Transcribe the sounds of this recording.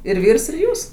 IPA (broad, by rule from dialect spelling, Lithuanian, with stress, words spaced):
ɪr ˈʋʲiːrs ɪr ˈjuːs